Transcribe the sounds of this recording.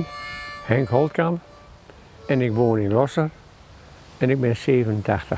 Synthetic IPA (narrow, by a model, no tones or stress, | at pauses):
nhɛŋkɦɔlˠtkam | ɛnɪkʋoːnɪnlɔsər | ɛnɪk̚bɪnseːvənəntʰaxtə